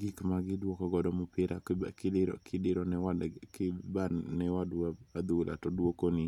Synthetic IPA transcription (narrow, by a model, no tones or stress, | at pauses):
ɡɪkmaɡɪdwokɔɡɔdɔmʊpɪɾʔa̰kɪkʰɪdɪɾɔnɛwakɪbannɛwadaad̪ulʔa̰tɔdwokonɪ